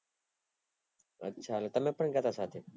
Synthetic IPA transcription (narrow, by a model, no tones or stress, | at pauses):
ə̰tːʃʰaːlaːt̪əmẽːpəɳɡaːt̪aːsaːt̪ʰeː